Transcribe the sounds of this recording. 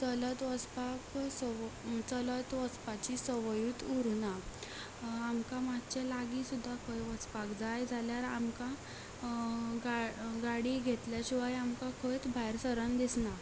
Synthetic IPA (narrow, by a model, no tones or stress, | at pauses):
t͡sələt̪ʋət͡spaksət͡sələt̪ʋət͡spat͡ɕisəʋəjuːt̪uɾuna | amkamat̪t͡ɕalaɡisud̪ʱːakʰəjʋət͡spakd͡zajd͡zʱaljaɾa̰mka | ɡaɡaɽiːɡʱet̪ljaɕiʋajamkakʰəjt̪bʱajɾsəɾənd̪isna